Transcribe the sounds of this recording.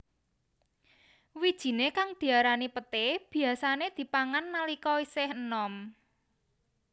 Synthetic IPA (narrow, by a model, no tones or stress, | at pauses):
wid̥ʒ̥i̤nekaŋd̪̥i̤aɾanipət̪ɪb̥i̤asaned̪̥i̤paŋanːalikɔisɪhənɔm